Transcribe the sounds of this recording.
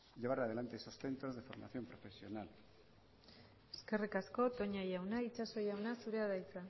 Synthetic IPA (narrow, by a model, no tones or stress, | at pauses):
ʎeβaɾað̞e̞lant̪eeso̞sθe̞nt̪ɾo̞zðe̞fo̞ɾma̰θjo̞mpɾo̞fe̞sjo̞nal | eske̞rikasko̞t̪o̞ɲajawnait͡ʃaso̞jawnasuɾeaðajt͡sa